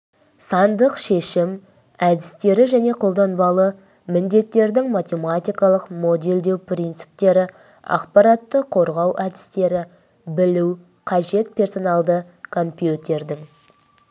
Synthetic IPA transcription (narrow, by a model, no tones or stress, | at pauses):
sɑnd̪əqʃe̞ʃɪm | æd̪ɪst̪e̞ɾɪʒæne̞qʰo̞lˠd̪ɑnbɑlˠə | mɪnd̪e̞t̪ːe̞ɾd̪ɪŋmat̪ʲe̞mat̪ʲijkɑlˠəqmo̞d̪ʲe̞ld̪e̞wpʰɾint̪sɨ̥p̚t̪e̞ɾɪ | ɑ̰qpɑɾat̪ːəqʰo̞ɾʁɑwʔæd̪ɪst̪e̞ɾɪ | bɪluw | qʰɑʒe̞t̪̚pʰʲe̞rso̞nɑlˠd̪ə | kʰo̞mpʲjut̪ʲe̞ɾd̪ɪŋ